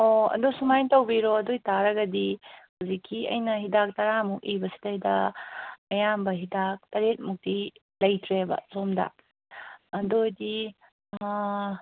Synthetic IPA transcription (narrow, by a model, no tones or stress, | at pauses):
oɐ̰dosumajtɐwbiɾoɐdojtaɾɐɡɐdihuzikʰːiɐ̰jnɐɦidak̚tɐɾamuk̚ibɐsi̥dɐidɐ | ɐjambɐɦidak̚tɐɾet̚muk̚ti | lɐjtʰɾebɐ̰somdɐ̰ | ɐdojdi